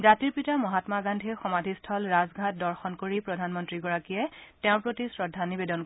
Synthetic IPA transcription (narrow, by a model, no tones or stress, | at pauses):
zatiɹpitamɔɦatmaɡandʱixɔmadʱistʰɔlɹazɡʱat̚dɔɹxɔnkoɹipɹɔdʱanmɔntɹiɡɔɹakijɛteʊ̃pɹotisɹɔdʱːanibedɔnk